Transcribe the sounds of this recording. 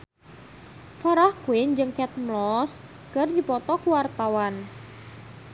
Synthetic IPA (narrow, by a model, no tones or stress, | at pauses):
faɾahkuɪɲd͡ʒɨŋkɛt̪̚mlɔs | kərd̪ipɔt̪ɔkuwart̪awan